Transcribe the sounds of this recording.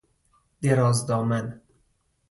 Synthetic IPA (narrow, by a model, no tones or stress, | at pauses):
d̪̥eɾɒːzd̪ɒːmæn